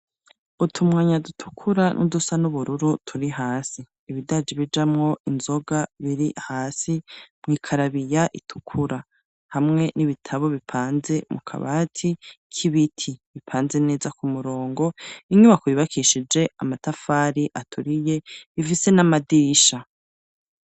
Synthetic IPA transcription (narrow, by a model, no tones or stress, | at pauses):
utʰumŋaːɲadutʰu̥kʰuɾanʔṵdusanuβuɾuɾutʰuɾiɦaːsiːβidad͡ʒiβid͡ʒamŋo̞ʔinzo̞ɡaβiɾihaːsimŋiːkʰaɾaβijaʔitʰu̥kʰuɾa | hamŋe̞niβitʰaβo̞βipʰaːnze̞mukʰa̰βaːtʰikʰiβitʰiβipʰaːnze̞ne̞ːzakumuɾo̞ːŋɡo̞iɲuβakwiːβakʰiʃid͡ʒe̞amatafaːɾiʔatʰuɾije̞ifise̞namadiʃa